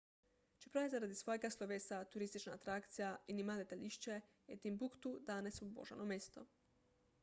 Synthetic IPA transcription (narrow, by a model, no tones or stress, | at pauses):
t͡ʃe̥pɾajzaɾad̪isʋojeɡaslˠoʋesat̪uɾist̪it͡ʃnaːt̪ɾakt̪sijainimad̪et̪aʎʲiʃt͡ʃe | et̪imbukt̪ud̪aːnesbo̰ʒa̰nomʲest̪o̰